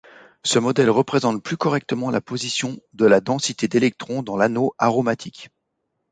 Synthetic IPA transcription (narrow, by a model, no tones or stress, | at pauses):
səmɔd̪ɛlʁəpχezɑ̃t̪̚plykɔʁɛk̚t̪əmɑ̃lapozisjɔ̃d̪əlad̪ɑ̃sit̪ed̪elɛk̚t̪χɔ̃d̪ɑ̃lanoaʁomat̪ʰik